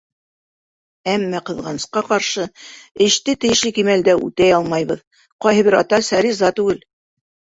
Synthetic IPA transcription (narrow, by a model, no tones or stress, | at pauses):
æmːæqɤ̆ðʁɑnɤ̆sqɑqɑɾʃɤɘ̆ʃt̪ɘt̪ɘ̆jɘ̆ʃlɘkimæld̪æʉ̰t̪æjɑlˠmɑjβɤð | qɑjɦɤ̆βɘɾɑt̪ɑsæɾizɑt̪ʉɡɘl